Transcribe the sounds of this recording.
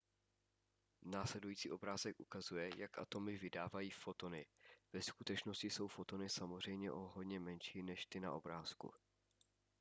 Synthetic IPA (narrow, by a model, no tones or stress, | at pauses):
naːslɛdujiːt͡sḭːʔo̞bɾaːzɛkʔukazujɛjakʔa̰t̪o̞mɪvɪdaːvajiːfo̞t̪o̞nɪv̥ɛskut̪ɛt͡ʃno̞scɪso̞wfo̞t̪o̞nɪsamor̝ɛjmɲɛʔoɦod̪ɲɛmɛnʃiːnɛʃt̪ɪna̰ʔo̞bɾaːskṵ